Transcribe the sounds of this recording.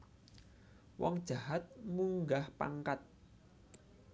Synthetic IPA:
wɔ̰ŋd̥ʒ̥a̤ɦat̪̚muŋɡahpa̰ŋkat̪̚

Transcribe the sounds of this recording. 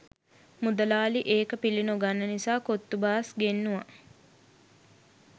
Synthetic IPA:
mud̪əlaːliʔeːkəpilinoɡanːənisaːkot̪ːubaːsɡenːuʋa

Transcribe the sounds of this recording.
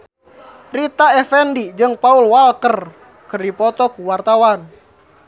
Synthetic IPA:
rit̪aɛfɛndid͡ʒɨŋpaulwalkər | kərdipɔt̪ɔkuwart̪awan

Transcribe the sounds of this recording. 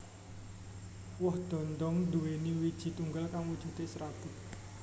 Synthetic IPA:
wɔhd̪̥ɔ̤nd̪ɔŋd̪uweniwid̥ʒ̥i̤t̪uŋɡalkaŋwud̥ʒ̥ṳt̪esɾab̥ʊ̤t̪̚

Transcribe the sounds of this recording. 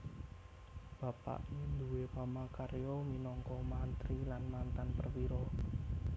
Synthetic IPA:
b̥ä̤pa̰ʔind̪uwepamakaɾjɔminɔŋkɔmant̪ɾilanmant̪anpərwiɾɔ

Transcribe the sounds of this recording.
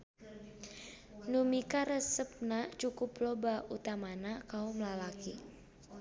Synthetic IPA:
numikaɾəsəp̚nat͡ʃukʊplobaut̪amanakaumlalaki

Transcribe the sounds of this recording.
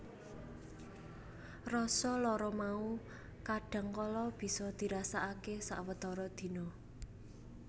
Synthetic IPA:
rɔsɔlɔɾɔmau | kaɖ̥a̤ŋkɔlɔb̥i̤sɔd̪̥i̤ɾasaʔakesa̰ʔwət̪ɔɾɔd̪̥i̤nɔ

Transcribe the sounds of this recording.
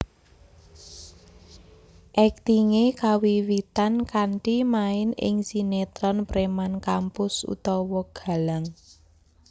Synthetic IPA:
ʔɛk̚t̪iŋekawiwit̪ankaɳʈimaɪnɪ̰ŋsinet̪ɾɔnpɾemankampʊsṵt̪ɔwɔɡ̥a̤laŋ

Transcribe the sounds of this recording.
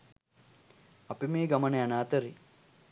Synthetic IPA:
ɐpimeːɡɐmɐneɐnaːt̪ɐɾi

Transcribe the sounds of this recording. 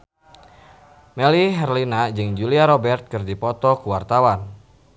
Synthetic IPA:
mɛliɦɛrlinad͡ʒɨŋd͡ʒuliaɾɔbɛrt̪̚kɨrdipɔt̪ɔkuwart̪awan

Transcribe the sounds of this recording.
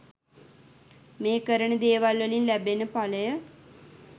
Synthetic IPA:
mẽːkəɾəɳəd̪eːʋalʋəlinlɛbenəpaləjə

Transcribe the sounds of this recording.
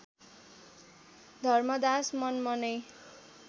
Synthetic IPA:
d̪ʱʌrmʌd̪asmʌnmʌnʌj

